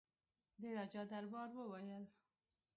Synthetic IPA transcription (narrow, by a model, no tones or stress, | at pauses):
d̪eɾad͡ʒɑd̪aɾbɑɾwəwajəl